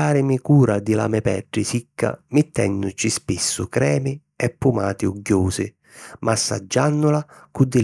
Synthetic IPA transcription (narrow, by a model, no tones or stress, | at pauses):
aːɾɪmikuːɾad̪ila̰mɛpɛɖːisikʰːa̰mɪt̪ːɛnːʊt͡ʃispisːʊkɾɛːmi | ɛpːumaːt̪iuɡjuːsɪ | mʔasːa̰d͡ʒːanːʊlakud̪ːɪ